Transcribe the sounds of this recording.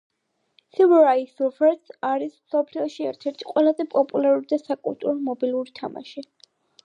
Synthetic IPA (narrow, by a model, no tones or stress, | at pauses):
sivuɾaisufɛt̪saɾismsɔpʰliɔʃiɛ̰ɾt̪ʰɛɾt̪ʰi̥qʼwɛlˠazɛpʼɔpʼulˠaɾuɾid̪asakʼṵlˠt̪ʼṵɾɔmɔbilˠuɾit̪ʰama̰ʃi